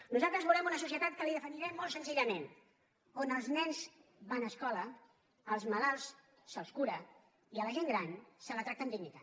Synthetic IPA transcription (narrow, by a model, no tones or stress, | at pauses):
nuzalˠt̪ɾəzβulɾɛmunəsus̬iət̪at̪̚kəliðəfəniɾɛmːolˠsənziʎəmen | onəlˠznɛnzbanəːskɔləː | lˠzməlalˠs | səlˠskuɾə | iələʒeŋɡɾansələt̪ɾakt̪ənd̪iɲit̪a